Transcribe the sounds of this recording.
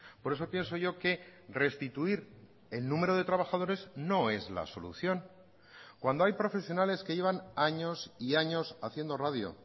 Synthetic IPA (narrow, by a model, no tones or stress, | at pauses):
po̞ɾeso̞pje̞nso̞ʝo̞ke̞re̞st̪it̪uiɾ | e̞lnũme̞ɾo̞ðe̞t̪ɾaβaxað̞o̞ɾe̞zno̞e̞zla̰so̞̰lṵθjo̞n | kwand̪oajpɾo̞fe̞sjo̞nale̞ske̞jʝe̞βanaɲo̞siaɲo̞saθje̞nd̪o̞raðjo̞̰